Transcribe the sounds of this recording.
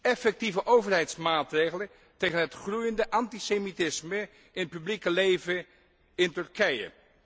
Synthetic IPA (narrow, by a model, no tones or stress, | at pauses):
ɛfɛk̚tivəʔowvərɦɛjtsmaːtrejχələn | tejχənɦətχrujəndəʔɑntisemitɪsmə | ɪntpyblikəlejvə | ɪntɵɹkɛjə̰